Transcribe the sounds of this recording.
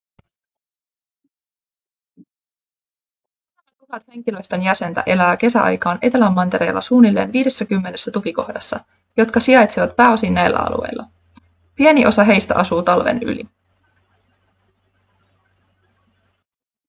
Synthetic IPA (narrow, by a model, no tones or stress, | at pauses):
ɑkukɑt̪he̞ŋk̟ilø̞jst̪enjæse̞nt̪æ̰ʔe̞læːke̞sæʔɑ̰jkɑːnʔe̞t̪elæmːɑnt̪e̞ɾeːlːɑ̰suːnilːe̞̰ːnʋiːde̞sːækymːe̞ne̞sːæt̪ukiko̞̰hdɑsːɑ̰ | jo̞t̪kɑsiɑjt̪siʋɑt̪pæːo̞sinːæjlːæ̰ɑ̰lṵe̞̰jlːɑ̰ | pie̞niʔo̞sɑɦe̞jst̪æ̰ʔɑsuːt̪ɑlʋḛny̰lḭ